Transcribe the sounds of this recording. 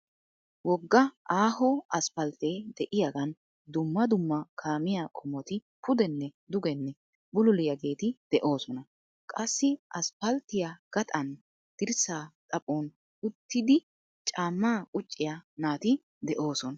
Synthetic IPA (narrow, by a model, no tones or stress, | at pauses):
wɔɡːɐaːɦɔɐspɐlt̪eːd̪ɛʔɪjaɡɐn | d̪ʊmːɐd̪ʊmːɐkʰaːmɪjaːkʰʼɔmɔt̪ɪ | pʰʊd̪ɛnːɛd̪ʊɡɛnːɛ | bʊlʊlɪjɐɡe̞ːt̪ɪd̪̥ɛʔo̞ːsɔnɐ | kʼɐsːɪʔɐspɐlt̪ːɪjaɡ̥ɐt̪ʼɐn | d̪̥ɪɾsaːt̪ʼɐpʼoːn | ʊt̪ːɪd̪ɪ | t͡ʃʼaːmːaːkʼʊt͡ʃʼːɪjanaːt̪ɪ | d̪ɛʔo̞ːsɔn